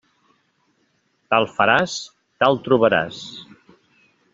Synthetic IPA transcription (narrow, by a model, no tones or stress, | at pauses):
t̪alˠfəɾas | t̪alˠt̪ɾuβəɾa̰s